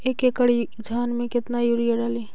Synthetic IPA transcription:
eːkekəɽ | d͡ʒʱaːnmẽkɪt̪najuːɾijeɽaːleː

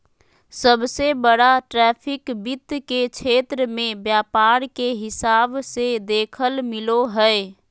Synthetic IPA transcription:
səbsebəɽaʈɾɛpʰɪkbit̪ːket͡ʃʰet̪ɾəmẽbjaːpaɾkeɦɪsaːbsed̪eːkʰəlmɪloɦəe

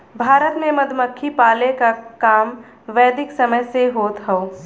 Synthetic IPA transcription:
bʱaːɾət̪mẽmɐd̪ʱməkʰːipaːlekakaːm | ʋɛːd̪ɪksɐməjseɦoːt̪ɦɛoː

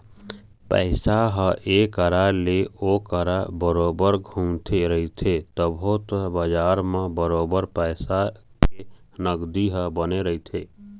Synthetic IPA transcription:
pə̰ɪsaɦə̃ʔekəɾaleokəɾabəɾoːbəɾɡʱumt̪ʰeɾəɦit̪ʰet̪əbʱʊt̪bəd͡ʒaːɾmẽbəɾoːbəɾpəɪsa | ke | nəɡd̪iɦə̃bəneɾəɦit̪ʰe

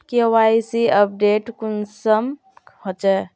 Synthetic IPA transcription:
kewaisiəp̚ɖeːʈkunsəm | hot͡ʃɛ

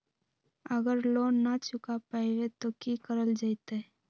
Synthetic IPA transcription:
əɡəɾloːnat͡ʃʊkapaiwet̪okikəɾəld͡ʒait̪e

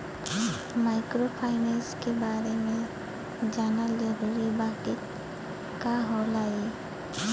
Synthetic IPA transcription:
maːɪkɾopʰaːɪneskebaːɾemẽ | d͡ʒaːnaleɦolibaːkɪ | kaɦoːlaːe

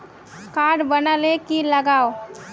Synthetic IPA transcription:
kaɽbənalekiləɡaːo

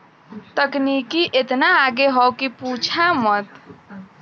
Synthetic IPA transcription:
t̪əknikiʔet̪naːɡeɦɔwkiput͡ʃʰamət̪

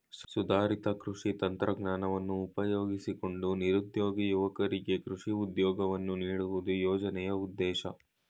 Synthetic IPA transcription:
ssud̪aːɾit̪ɐkɾuʂit̪ɐnt̪ɾɐɡnaːnɐʋɐnːuːpɐjoːɡisiko̞ɳɖuniɾud̪joːɡijuʋɐkɐɾiɡe̞kɾuʂiud̪jɔːɡɐʋɐnːuniːɽuʋud̪ujɔːd͡ʒɐnɛjɐud̪ːɛːʃɐ

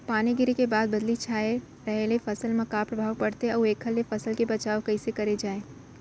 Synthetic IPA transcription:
paːneɡɪɾekebaːd̪̚bɐd̪lit͡ʃʰaːe | ɾɐɦelefɐsəlmãkaːpɾɐbʱaːʋpɐɽt̪eɔeːkʰːəlːefɐsəlkebɐt͡ʃaːokɐisekɐɾed͡ʒaːẽː

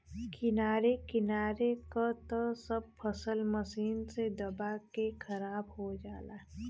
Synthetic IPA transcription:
kʰɪnaːɾekɪnaːɾekat̪əsəb̚pʰəsəlməsiːnsed̪əbakekʰəɾaːbɦod͡ʒaːlaː

